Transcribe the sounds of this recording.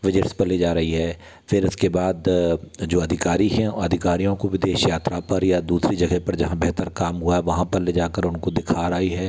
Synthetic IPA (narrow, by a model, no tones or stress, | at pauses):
ʋɪd͡ʒɪʈspɐɾled͡ʒaːɾɐɦiɦɛː | fʰɪɾʊskebaːd̪d͡ʒoːɐd̪ʱɪkaːɾiɦɛ̃ɐd̪ʱɪkaːɾijõkoʋɪd̪eːʃjaːt̪ɾapɐɾjad̪uːsɾid͡ʒɐɡɛpɐɾd͡ʒɐɦãbɛɦt̪əɾkaːmɦʊaɦɛʋɐɦãpɐɾled͡ʒaːkəɾʊnkod̪ɪkʰaːɾaːiɦɛː